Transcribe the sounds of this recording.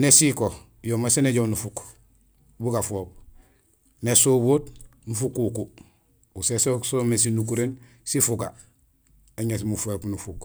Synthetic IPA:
nesiko | jomaseneɟownufuk | buɡafoːb̚ | nesoboːtnufukuku | usesosomes̬inuk̬uɾen | sifuɡa̰ | eɲes̬mufuepnufuk

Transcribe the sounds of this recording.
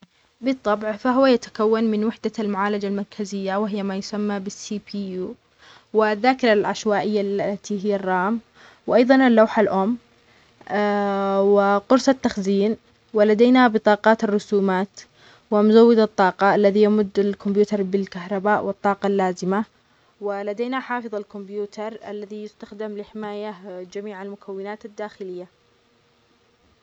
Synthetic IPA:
bɨt̪ˤːɑbʕfaɦʊwajat̪ḁkawːanmɪnwɪħd̪almʊʕaːlad͡ʒalmɑɾˤkʰazɪjːawɪɦɪjːamajʊsamːabɪsiːpʰiːjuː | wɪðːaːkɪɾˤalʕaʃwaːʔɪjːalat̪iɦɪjːarˤːɑːm | wʔɑjðˤɑnalːawħalʔʊmː | wɪqʊɾsˤɑt̪ːaxziːn | wɪlad̪aːnabɨt̪ˤɑːqɑːt̪arːʊsuːmaːt̪ | wɪmʊzawːɪd̪at̪ˤːɑːqɑʔalːaðijamʊd̪ːalkʊmbjuːt̪ɑɾˤbɪlkahɾˤɑbaːʔwɨt̪ˤːɑːqɑlːaːzɪma | wɪlad̪eːnaħɑːfɨðˤalkʊmbjuːt̪ʰɑɾˤʔa̰lːaðijɪst̪axd̪ɪmlɪħɪmaːjad͡ʒamiːʕalmʊkʰawːɪnaːt̪ad̪ːaːxɪlɪjːa

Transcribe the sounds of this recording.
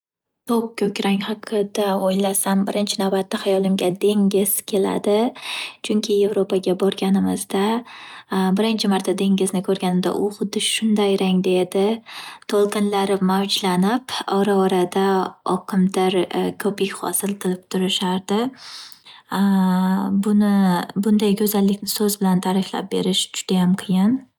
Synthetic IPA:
t̪ʰop̚kʲʰɵkʲɾaŋhaqʰɨd̪aojlasambɪɾɪnt͡ʃʰɪnavbat̪ːahajɒlɪmɡʲad̪e̞ŋɡʲɪz̥kʲʰe̞la̰d̪ɪt͡ʃʰʊŋkʲʰɪje̞vɾopʰaɡʲabɒɾɡʲanɪmɪzd̪a | bɪɾɪnt͡ʃʰɪmaɾt̪ʰːad̪e̞ŋɡʲɪznɪkʰɵɾɡʲanɪmd̪a̰ʔʊχʊd̪ːɪʃʊnd̪ajɾaŋd̪ed̪ɪt̪ʰolˠqʰɨnlaɾɪmawd͡ʒlanɪpɒɾaɒɾad̪aɒqʰɨmd̪aɾkʰɵpikʲχɒ̰sɪlˠt̪ʰɨlˠɪp̚t̪ʰʊɾɪʃaɾd̪ɪ | bʊnɪbʊnd̪ajkʰʲɵzalːɪkʲnɪsɵzbɪlant̪ʰaɾɪfʲla̰p̚be̞̰ɾɪʃd͡ʒʊd̪̥ajamqʰɨjɪn

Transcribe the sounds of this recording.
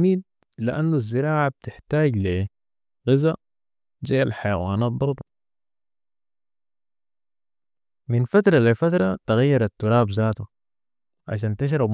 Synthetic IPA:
miːd̪̚ | lɪʔanːuzːɪɾaːʕab̚t̪ɪħt̪aːɟli | ɣɪza | d͡ʒaːalħajawaːnaːt̪̚bɑɾˤd̪ˤ | minfat̪ɾˤɑlifat̪ɾˤɑt̪ɪɣajːɑɾˤat̪ːuɾˤaːbzaːt̪u | ʕa̰ʃ̬aːnt̪ɪʃ̬ɾˤɑb

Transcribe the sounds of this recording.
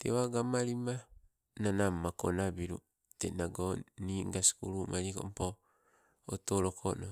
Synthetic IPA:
tḛwaɡamaɾima | nanamːako̰nabiɾu | tḛnaɡoniŋɡasi̥kuɾumʔaɾiko̰mpo | otoɾokʰono

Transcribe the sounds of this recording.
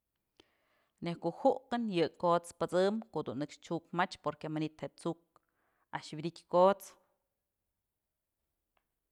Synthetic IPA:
nehkoʔhuʔqɨnjɨkot͡spɨt͡sɨmkoʔd̪unːɨkʂt͡ʃukmat͡ʃpoɾkemanit̪heʔt͡suk̚ | aʔʃbʲid̪ikʲkot͡s

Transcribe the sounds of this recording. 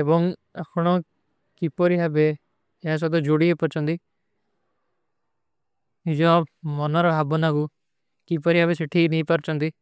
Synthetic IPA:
ebɔŋakʰɽ̃ɔ̃ | kipɔɾiɦabe | jas̬ɔd̪ɔd͡ʒoɽiepɔɾt͡ʃɔ̃nd̪i | ɦid͡ʒɔ̃mɔnaɾɔɦabɔnaɡu | kip̬ɔɾiɦabeseʈʰinipɐɾt͡ʃɔnd̪i

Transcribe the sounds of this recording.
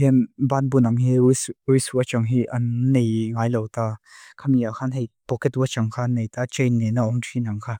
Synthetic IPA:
inbanbunaŋɦiiswiswuət͡ʃaŋɦiʔɐnːejŋaːjlowt̪akʰamiakʰanɦejpɔkɛtut͡ʃaŋkʰaːnejt̪at͡ʃejnːɛnaɔŋtʰinaŋkʰa

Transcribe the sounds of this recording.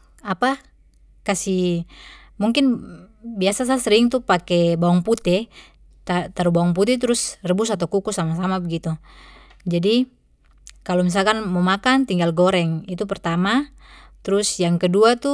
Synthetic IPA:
apa | kasi | muŋkɪnbiasas̬asəɾiŋt̪upakɛbaɔŋput̪ɛ | t̪at̪aɾubaɔŋput̪̬ɛt̪̬ɾʊsrəbusat̪̬awkukusamasamabəɡit̪u | d͡ʒadi | kalomis̬alkanmɔmakant̪iŋɡalɡɔɾɛŋit̪upɛrt̪amat̪ɾʊsjaŋkəduat̪u

